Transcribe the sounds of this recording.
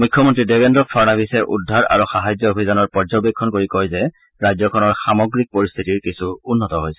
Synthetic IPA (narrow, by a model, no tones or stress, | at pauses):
mujkʰːjɔmɔntɹidebendɹɔɔɹnabʱisɛʔudʱːaɹa̰ɹuxaɦajzɔobʱizanɔɹpɔɹzɔbikʰːɔnkoɹikɔjzɛ | ɹajzɔkʰɔnɔɹxamɔɡɹik̚poɹist̪ʰitiɹkisuunːɔtɔɦojsɛ